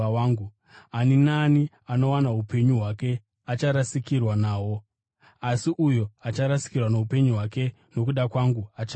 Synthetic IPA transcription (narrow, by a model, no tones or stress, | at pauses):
aːŋɡu | aninani | ano̞wanaɦupe̞ɲuɦwake̞ | at͡ʃaɾasikirwanaːwo̞ | asiʔujo̞at͡ʃaɾasi̥kirwanoɦupe̞ɲuɦwake̞ | no̞k̬uɗakwaŋɡuat͡ʃ